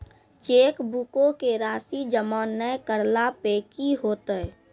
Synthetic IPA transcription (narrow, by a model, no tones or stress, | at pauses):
t͡ʃekbukokeɾasid͡ʒəmɔnːəjkəɾlapekiɦot̪əj